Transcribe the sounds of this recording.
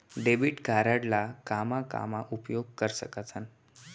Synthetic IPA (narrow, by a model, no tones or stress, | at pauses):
ɖebiʈɡʱaɾaɽlakamaka̰maʔupjoɡ̚kəɾsəkat͡san